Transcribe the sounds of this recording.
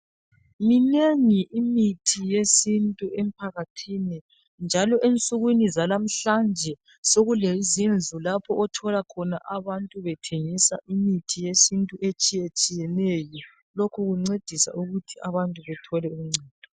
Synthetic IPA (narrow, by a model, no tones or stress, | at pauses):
mineŋiʔimitʰijesintʼuem̩pʰaɣatʰini | nd͡ʒʱalɔʔent͡sʼuɣwinizalam̩ɬand͡ʒʱɛ | soɣulezind͡zʱulapʰɔʔɔtʰɔlakʰɔna̰ʔaβantʼuβɛtʰeŋisa̰ʔimitʰijesintʼuʔet͡ʃʼijet͡ʃʼijɛnɛjɔ | lokʰuɣuŋ͡ǀed̥ʱisa̰ʔuɣutʰiaβantʼuβɛtʰɔlɛumŋ͡ǀʱɛːd̥ʱɔ